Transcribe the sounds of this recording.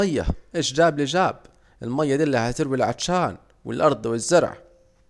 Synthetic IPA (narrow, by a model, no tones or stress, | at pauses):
ajːa̰ʔeːʃd͡ʒaːblɪd͡ʒaːb | ʔɪlmajːad̪iːlːahat̪ɪɾwilʕadʃaːn | wɪ̰lʔɑɾˤd̪ˤwɪzːʊɾˤʕ̰